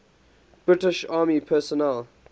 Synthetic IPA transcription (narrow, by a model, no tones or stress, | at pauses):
b̥ɹɪtɪʃaːmipʰɛsɔnɛl